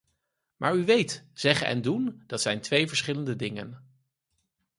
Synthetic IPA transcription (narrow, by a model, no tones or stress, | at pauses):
mʔa̰ːɹyʋejtz̥ɛχənʔɛ̰ndund̥ɑtsɛjntʋejvəɹsχɪləndədɪŋə̰n